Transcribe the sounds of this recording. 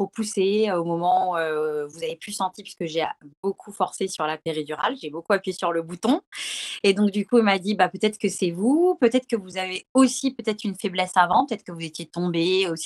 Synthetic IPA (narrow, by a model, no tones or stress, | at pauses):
popuseomɔmɑ̃uøvuzaveplysɑ̃t̪ipɥiskəʒeabokʰufɔʁsesyʁlapeʁid̪yʁa̰lʒebokuapɥjesyʁləbut̪ɔ̃ed̪ɔ̃k̚d̪ykuilmad̪ibapøt̪ɛt̪χəkəsɛvupøt̪ɛt̪χə̥kəvuzaveosipøt̪ɛt̪χynfeblɛsavɑ̃pøt̪ɛt̪χkəvuzet̪jet̪ɔ̃beosi